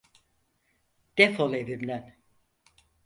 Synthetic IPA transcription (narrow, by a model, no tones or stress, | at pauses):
d̪̥efolˠevimlʲæn